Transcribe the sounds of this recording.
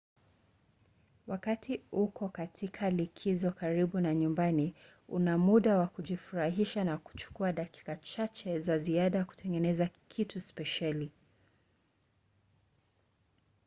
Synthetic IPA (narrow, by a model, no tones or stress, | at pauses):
wakatʰiukɔkatikʰalikʰizɔkaɾiɓunaɲumbani | ṵnamuɗawakuʄifuɾaɦiʃanaku̥t͡ʃu̥kuaɗaki̥kat͡ʃat͡ʃɛzaziaɗajaku̥tʰɛŋɡɛnɛzakʰituspɛʃali